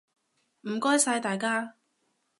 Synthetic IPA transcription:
m̩˨˩kɔː˥jsaː˧jt̪aː˨jkaː˥

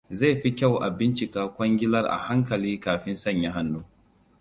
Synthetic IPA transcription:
za˦˨ɸi˦kʲa˦˨wʔa˨bɪ˦nt͡ʃɪ˨kaː˦kʷɐ˦ŋɡʲɪ˦lɐ˦rʔa̰˨ha˦ŋkɐ˨liː˦kaː˨ɸɪ˦nsɐ˦˨ɲja˦ɦa˦nːuː˦

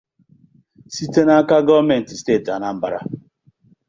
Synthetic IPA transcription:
si˦te˦na˦ka˦ɡɔ˦me˨n̩˨ti˨steː˦˨ta˨na˦m̩˦ba˨ɾa̰˦

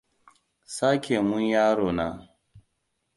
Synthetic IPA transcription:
saː˦kʲʰe˨mu˦njaː˦ɾoː˨na˨

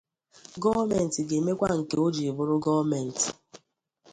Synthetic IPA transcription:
ɡɔ˦vme˨n̩˨tɪ˨ɡe˨me˦kʷa˦ŋ̩˨ke˨o˦d͡ʒi˨bʊ˦ɾʊ˦ɡɔ˦me˨n̩˨tɪ̥˨

